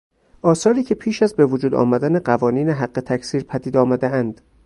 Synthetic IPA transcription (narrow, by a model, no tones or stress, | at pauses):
ʔɒːsɒːɾiːcʰe̞pʰiːʃæzbe̞vod͡ʒuːd̪ɒ̰ːmæd̪æne̞ɢævɒːniːneɦæɢːe̞t̪ʰæcʰsiːɾpʰæd̪iːd̪ɒːmæd̪eænd̪̥